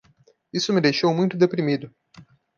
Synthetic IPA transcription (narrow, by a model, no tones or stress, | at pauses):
isʊmɪd̪ejʃowmũj̃t̪ʊd̪epɾimid̪ʊ